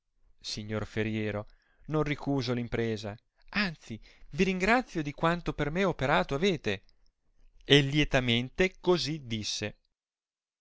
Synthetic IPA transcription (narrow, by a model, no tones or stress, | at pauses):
siɲːorfeɾjɛːɾo | nonrikuːzolimpɾeːza | ant̪siviɾiŋɡɾat̪sːjod̪ikwant̪opermeopeɾaːt̪oaveːt̪e | elːjet̪ament̪ekozid̪isːe